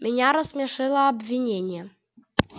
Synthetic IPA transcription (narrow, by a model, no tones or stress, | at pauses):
mʲɪnʲaɾəsmʲɛʂɨlˠəɐbʲvʲinʲenʲɪjɛ